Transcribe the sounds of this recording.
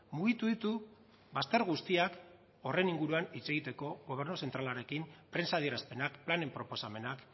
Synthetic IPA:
muɣ̞it̪uðit̪u | βast̪e̞ɾɣust̪iak | o̞re̞niŋɡuɾuanit͡se̞ɣit̪e̞ko̞ɣo̞β̞e̞ɾnuse̞nt̪ɾalaɾe̞kimpɾe̞nsaðie̞ɾaspe̞nakplane̞mpɾo̞po̞same̞nak

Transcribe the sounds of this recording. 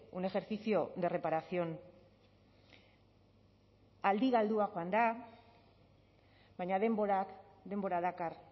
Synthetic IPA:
une̞xe̞ɾθisio̞d̪e̞re̞paɾasio̞n | ald̪iɣald̪uaɣoand̪a | βajɲaðe̞mboɾak | d̪e̞mbo̞ɾaðakar

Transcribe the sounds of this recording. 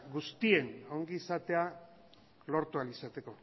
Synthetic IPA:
ɡust̪ie̞noŋɡiːsat̪e̞a | lo̞ɾt̪ualisat̪e̞ko̞

